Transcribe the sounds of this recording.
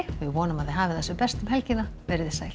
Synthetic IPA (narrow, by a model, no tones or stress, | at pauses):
vɪðvɔːnʏmaðɪɦaːvɪθɛsːʏpɛst̪ʏmhɛlcɪnapɛɾɪðɪ̥sa̰jl